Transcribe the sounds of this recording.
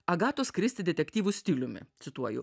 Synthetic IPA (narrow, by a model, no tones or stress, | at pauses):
ɐɡɑːt̪oːskɾʲɪsʲt̪ʲɪd̪ʲɛt̪ʲɛkʲt̪ʲiːʋʊsʲt̪ʲiːlʲʊmʲɪ̰sʊt̪uɔjʊ̰